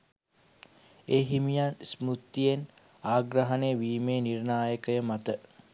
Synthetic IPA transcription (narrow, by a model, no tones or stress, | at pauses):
eːɦimijansmut̪ːijen | aːɡɾəɦənejəʋiːmeːnirnaːjəkəjəmat̪ə